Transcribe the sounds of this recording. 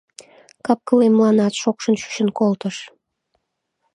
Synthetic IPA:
kɑp̚kəlemlɑnɑt̪ʃokʃənʃy̥ɕənkolt̪əʃ

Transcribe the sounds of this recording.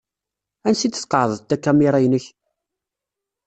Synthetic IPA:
ænsit͡s̪ːsqːəʕðˤəðt̪ːækːæmiɾˤæjnəç

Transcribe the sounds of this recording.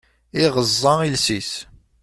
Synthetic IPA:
iʁəzˤːɑilsis

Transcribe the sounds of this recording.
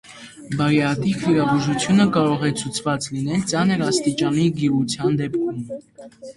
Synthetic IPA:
bɑɾɛɑt̪ikviɾɑvuʒut͡sʰjunəkɑɾɔʁɛt͡sʰut͡sʰvɑt͡slin̪ɛlt͡sɑnəɾɑst̪it͡ʃɑniɡiʁut͡sʰjɑnd̪ɛpkʰum

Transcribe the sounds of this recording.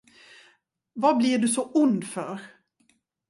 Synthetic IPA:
vablɪɖɵsɔʊnd̪fœɾ

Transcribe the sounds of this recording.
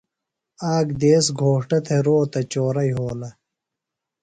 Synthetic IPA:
aːɡd̪eːsɡʱoːʂʈɐt̪ʰeɾoːt̪ɐt͡ɕoːɾɐjɦoːlɐ

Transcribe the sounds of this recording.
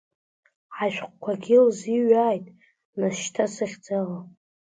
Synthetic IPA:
aʃᶣqʷkʷʰaɡʲɪlziɥaːjtʼ | naʃtʰasɨχʲd͡zala

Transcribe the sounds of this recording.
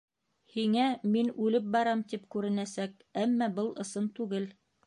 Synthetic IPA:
hiŋæminʉlɘp̚bɑɾɑmt̪ipkʉɾɘ̆næsæk | æmːɑbɤlˠʔɤ̆sɤnt̪ʉɡɘl

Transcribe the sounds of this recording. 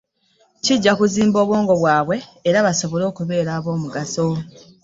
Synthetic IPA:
ciɟːakuziːmbo̞ːβwo̞ːŋɡo̞βwaːβwe̞ːɾaβaso̞βo̞lo̞ːkuβe̞ːɾaːβo̞ːmuɡaso

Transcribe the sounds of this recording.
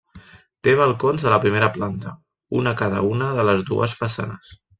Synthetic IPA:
t̪eβ̞əlˠkonzələpɾimeɾəplant̪ə | unəkaðə̰unəðələzðṵə̰sfəsa̰nəs

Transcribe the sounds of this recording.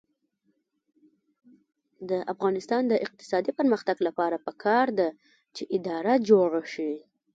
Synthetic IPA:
d̪əʔafɣɑnɪst̪ɑnd̪əʔɪq̚t̪ɪ̥sɑd̪ipəɾməxt̪aɡlapɑɾapəkʰɑɾd̪a | t͡ʃeʔɪd̪ɑɾad͡ʒoɽaʃi

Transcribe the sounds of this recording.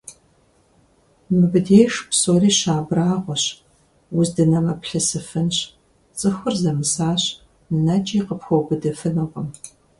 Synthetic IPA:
mɨbɨdeːʂpsoːriːɕaːbraːʁʷɔɕ | wʊzdɨnɐmɐpɬɨsɨfɨnɕ | t͡sʼɨxʷʊrzɐmɨsaːɕ | nɨnɐt͡ʃʼiːqəpxʷowbɨdɐfɨnɐʁʷɔm

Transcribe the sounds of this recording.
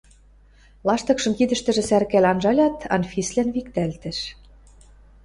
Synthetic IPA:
lɑʃt̪ɤ̆kʃɤ̆mkid̪ɘ̆ʃt̪ɘ̆ʒɘ̆særkælʲɑnʒɑlʲɑt̪ɑ̰nfislænβikt̪ælt̪ɘ̆ʃ

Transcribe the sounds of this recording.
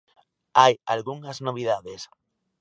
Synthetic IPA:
ajalɣuŋaznoβ̞iðaðes

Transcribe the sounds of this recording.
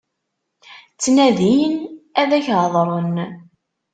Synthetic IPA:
t͡sːnæðinæðæçʕðˤɾˤən

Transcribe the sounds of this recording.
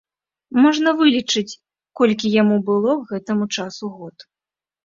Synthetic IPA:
mɔʐnɐvɨlʲit͡ʂɨt͡sʲ | kɔlʲkʲijamubɨlˠɔɣɛt̪ɐmut͡ʂasuɣɔt̪

